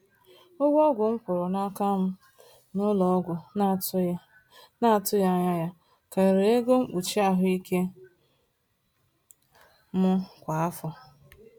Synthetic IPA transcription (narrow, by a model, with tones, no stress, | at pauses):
o˦ɡʷɔ˦ɡʷʊ˨ŋ̩˦kʷʊ˨ɾʊ˨na˦ka˦m̩˦ | nʊ˦lɔ˨˦ɡʷʊ˨ | na˦˨tʊ˦ja˦ɲa˦ja˦ | ka˨ɾe˨e˦ɡo˦ŋ͡m̩˦k͡pu˨t͡ʃi˦a˦ɦʊ˦i˦ke˦ | mʊ˦kʷa˨a˦fɔ˨